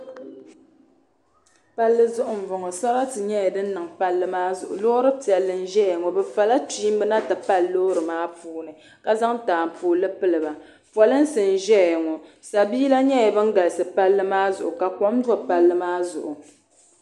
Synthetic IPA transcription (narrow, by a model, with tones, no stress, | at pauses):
pa˦lːɨ˦zʊ˦ʔʊ˨m̩˨vʊ˨ŋɔ˨sa˦ɾa˦tɨ˨ɲɛ˦jɛ˨dɨ˦n˦nɨ˨ŋpa˦lːɨ˦maː˦zʊ̰˨ʔʊ̰˨lo˦ɾɨ˦ti˨ɛ˨lːɨ˨n̩˦ʒɛ˦ɛ˨ŋɔ˨bɛ˨fa˨la˦tiː˦m˦bɨ˦na˦ta˨pa˦lːo˦ɾɨ˨maː˦puː˦nɨ˨ | ka˦za˦ŋtaː˨m̩˨puː˨lɨ˦pɨ˦lɨ˨ba˨ | pɔ˨lɨ˦n̩˦sɨ˨n˨ʒɛ˦˨ɛ˨ŋɔ˨ | sa˨biː˦la˦ɲɛ˦jɛ˨bɨ˦ŋ̩˦ɡa˨lɨ˨sɨ˨pa˦lːɨ˦maː˦zʊ˨ʔʊ˨ka˨kɔ˦mdɔ˦pa˨lːɨ˦maː˦zʊ̰˨ʔʊ˨